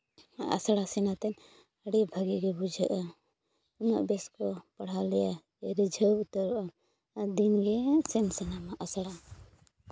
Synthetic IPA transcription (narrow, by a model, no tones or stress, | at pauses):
a̰sɽasɛnat̪ɛn | əɽibʱəɡiɡɛbud͡ʒʱəʔa | ɔnɔ̰ʔbɛskɔpaɽ̤alɛja | ɛɾid͡ʒʱəwut̪əɾɔʔa | d̪inɡɛsɛnsɛnamaʔasɽa